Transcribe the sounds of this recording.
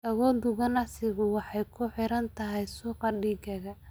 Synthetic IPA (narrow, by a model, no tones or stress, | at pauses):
ʔɐɣɔːd̪ʊɣɐnɑsɪɣʊwɑħɑjkʰʊħɪɾɐnt̪ʰɐɦɛjsuːqɑɖiːɡɐɣɐ